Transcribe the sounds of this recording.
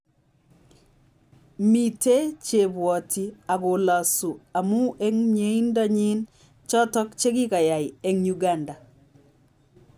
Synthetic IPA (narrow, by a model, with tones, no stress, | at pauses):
mi˨te˦t͡ʃe˨bwɔ˨tʰi˨a˨ko˨la˨su˨a˨mu˦ʔɛ˦ŋɲe˨˦i˦nda˦ɲi˦n | t͡ʃɔ˦tɔ˦kt͡ʃe˦ki˦ka˨ja˨jɛŋɲuɡanda˨